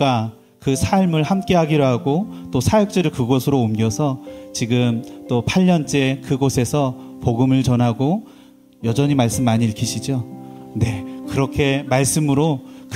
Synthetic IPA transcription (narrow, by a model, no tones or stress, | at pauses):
k͈a | kɯsʰaɭmɯɭhamk͈e̞ɦaɡiɾoɦaɡot͈osʰajek̚t͡ɕ͈eɾɯɭkɯɡʌsʰɯɾoːmɡjʌsʰʌt͡ɕiɡɯmt͈opʰaʎːʌnt͡ɕ͈e̞kɯɡosʰe̞sʰʌpoɡɯmɯɭt͡ɕʌnɦaɡo | jʌd͡ʑʌɲimaɭs͈ɯmːaɲiiɭkʰiɕʰid͡ʑone̞kɯɾʌkʰe̞maɭs͈ɯmɯɾok